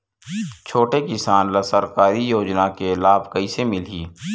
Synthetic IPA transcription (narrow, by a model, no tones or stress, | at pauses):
t͡ʃʰoːʈekɪsaːnləsəɾkaːɾijoːd͡ʒnakelaːbkəisemɪliː